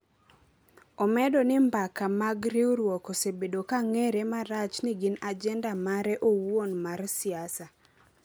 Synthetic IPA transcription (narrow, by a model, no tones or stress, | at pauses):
ɔmɛdonɪmbakamaɡɾioɾwɔkosebedokaŋeɾemaɾat͡ʃniɡɪnad͡ʒɛndamaɾɛʔowwonmarsɪasa